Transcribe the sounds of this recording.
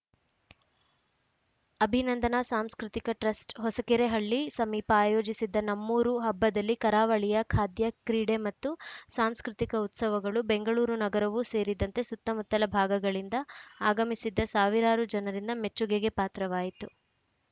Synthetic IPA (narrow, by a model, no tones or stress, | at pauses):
ɐbʱinɐnd̪ɐnɐsaːmskɾut̪ikɐʈɾɐsʈɦɔsɐkiɾeɦɐɭːisɐmiːpɐaːjo̞ːd͡ʒisid̪ːɐnɐmːuːɾuɦɐbːɐd̪ɐlːikɐɾaːʋɐɭijɐkʰaːd̪jɐkɾiːɽe̞mɐt̪ːusaːmskɾut̪ikɐut̪sɐʋɐɡɐɭubeŋɡɐɭuːɾunɐɡɐɾɐʋuse̞ːɾid̪ɐnt̪e̞sut̪ːɐmut̪ːɐlɐbʱaːɡɐɡɐɭind̪ɐaːɡɐmisid̪ːɐsaːʋiɾaːɾud͡ʒɐnɐɾind̪ɐme̞t͡ʃːuɡeɡe̞paːt̪ɾɐʋaːjit̪u